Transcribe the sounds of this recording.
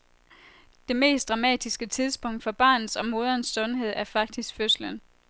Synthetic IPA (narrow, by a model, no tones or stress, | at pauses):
d̥e̝me̝̰ːsd̥ʁɑ̈mɛ̰ːd̥isɡ̥ət͡sʰiðˠsb̥ɔ̽ŋ̰d̥fɒ̽b̥ɑ̰̈ːnð̩ˠsɒ̽mo̝ːð̞ˠɐnsːɔ̽nɦe̝ð̞̰ˠæɐfɑ̈ɡ̥̚d̥isɡ̥føslən